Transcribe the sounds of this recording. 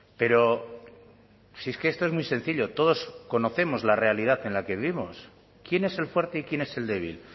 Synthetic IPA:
pe̞ɾo̞ | sieske̞est̪oe̞zmwujse̞n̟θiʎo̞t̪o̞ðo̞sko̞no̞θe̞mo̞zlare̞alið̞aθe̞nlake̞βiβimo̞s | kje̞ne̞se̞lfwe̞ɾt̪e̞ikje̞ne̞se̞ld̪e̞β̞ḭl

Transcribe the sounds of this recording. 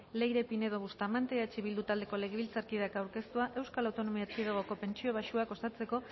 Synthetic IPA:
le̞jɾe̞pine̞ðoβust̪amant̪eat͡ʃiβild̪ut̪ald̪e̞ko̞le̞ɣ̞eβilt͡saɾkiðakawɾke̞st̪uaʔe̞wskalawt̪o̞no̞miat͡sið̞eɣ̞o̞ko̞pe̞nt͡ʃio̞β̞aʃuako̞st̪at͡se̞ko̞

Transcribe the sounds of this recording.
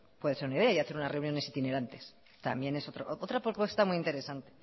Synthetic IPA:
pwe̞ðe̞se̞ɾunaiðe̞aiaθeɾunazre̞wnjo̞ne̞sit̪ine̞ɾant̪e̞s | t̪a̰mbje̞ne̞sot̪ɾoʔʔot̪ɾapopwe̞st̪amujint̪e̞ɾe̞sant̪e̞̥

